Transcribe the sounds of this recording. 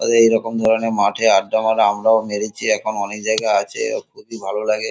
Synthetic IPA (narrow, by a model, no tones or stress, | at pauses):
a̰d̪eejɾɔkomd̪ʱɔɾonemaʈʰeaʈ̚ɖamaɾamɾaomeɾit͡ɕʰiɛkʰonɔnek̚d͡ʑajɡaat͡ɕʰḛkʰobibʱalolaɡe